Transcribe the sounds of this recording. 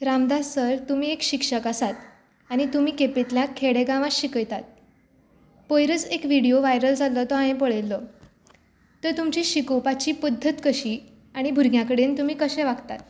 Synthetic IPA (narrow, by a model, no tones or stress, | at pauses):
ɾamd̪asəɾt̪um̤iːekɕikʂəkasat̪ | aɽ̃it̪umiːkepet̪ljakʰeɽeɡãʋaɕikəjt̪at̪̚ | pojɾət͡sekʋiɽijoʋajɾəld͡zʱalɔt̪ɔãẽpəɭelːɔ | əɾt̪umt͡ɕiːɕikopat͡ɕiːpəd̪ʱːət̪kəɕiː | aɽ̃ibʱuɾɡjakəɽent̪umiːkəɕẽʋaɡt̪at̪